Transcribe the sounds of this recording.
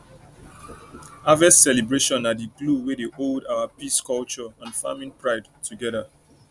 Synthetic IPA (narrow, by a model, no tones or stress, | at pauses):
avɛssɛlibɹeʃɔ̃nadiɡluwedeʔoldawapiskɔlt͡ʃɔãnfa̰mĩnpʰɹaɪdtʰuɡɛða